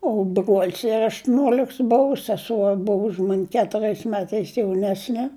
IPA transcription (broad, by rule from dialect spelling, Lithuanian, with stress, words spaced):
oː bruɔlʲs ɪr ɐʃtʊˈnʲuɔlʲɪks ˈbʊʋʊ sʲɛˈsuɔ ˈbʊʋʊ ʊʃ mɐnʲ kʲɛtʊˈrʲɛɪs ˈmʲæːtɐɪs jɛʊˈnʲæːsʲnʲɛ